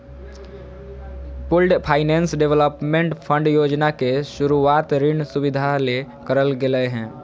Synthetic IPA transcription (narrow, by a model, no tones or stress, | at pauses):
pʊlɖpʰaːɪnɛ̃ːnsɖeʋləpmẽɳʈpʰə̃ɳɖjoːd͡ʒnakeʃʊɾuaːt̪ɾɪɳsʊbɪd̪ʱale | kəɾəlɡeləeɦɛ̃ː